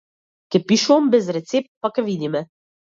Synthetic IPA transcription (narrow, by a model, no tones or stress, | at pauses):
kɛpiʃuɔmbɛzɾɛt̪sep̚t̪̚pakɛʋid̪imɛ